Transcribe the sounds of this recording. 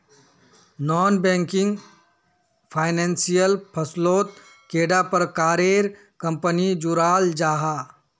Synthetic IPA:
nɔːnbɛ̃ːŋkɪŋɡ | pʰaːɪnẽːnsijəlpʰəsloːt̪ | keːɖapəɾkaːɾeːɾ | kə̃mpənid͡ʒuɾaːld͡ʒaːɦaː

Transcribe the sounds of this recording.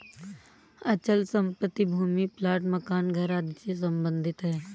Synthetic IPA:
ɐt͡ʃəlsə̃mpət̪ːibʱuːmiplaːʈməkaːnɡʱəɾaːd̪t͡ʃes̬ɐ̃mbə̃nd̪ʱɪt̪ɦɛː

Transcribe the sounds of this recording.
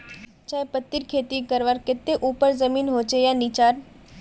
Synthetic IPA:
t͡ʃaːepət̪ːiɾkʰeːt̪ikəɾʋaːɾkɪt̪eʔuːpəɾzəmiːnɦoːt͡ʃejãnit͡ʃaːɾ

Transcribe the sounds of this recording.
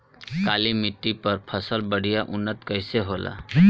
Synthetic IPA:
kalimiʈːipəɾpʰəsəlbəɽ̤ijaʔunːət̪kəjseɦola̰

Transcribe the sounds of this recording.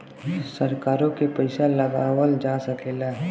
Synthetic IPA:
sɐɾkaːɾõkepɐɪsalɐɡaːwəld͡ʒaːsɐkʰeːlaɦɛ

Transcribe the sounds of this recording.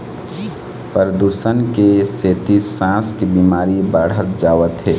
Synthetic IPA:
pəɾəd̪uːsənkeseːt̪isãːskebiːmaːɾibəɽ̤ət̪d͡ʒaːʋət̪ɦɛː

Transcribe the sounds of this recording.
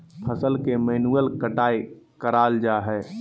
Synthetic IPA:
pʰəsəlkemɛnuəlkəʈaːi | kəɾald͡ʒaɦɛ

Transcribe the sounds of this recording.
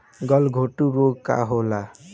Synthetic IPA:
ɡɔlɡʱoʈuɾoɡka̰ɦola

